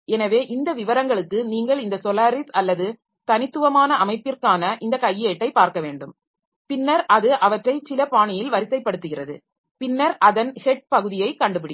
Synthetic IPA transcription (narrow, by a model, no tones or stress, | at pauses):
ɛnɐʋeːʔɪnd̪ɐʋɪʋɐɾɐŋɡɐɭɯkːɯniːŋɡɐɭɪnd̪ɐsɔlaːɾɪsɐlːɐðɯ | t̪ɐnɪt̪ːɯʋɐmaːnɐɐmɐɪpːɪrkaːnɐʔɪnd̪ɐkɐjːeːʈːɐɪpːaːɾkɐʋeːɳɖɯm | pɪnːɐɾʔɐðɯʔɐʋɐʈrɐɪsɪlɐpaːɳɪjɪlʋɐɾɪsɐɪpːɐɽɯt̪ːɯɣɪrɐðɯ̰ | pɪnːɐɾʔɐðɐnhɛʈ̚pɐɣɯðɪjɐɪkɐɳɖɯpɪɽɪ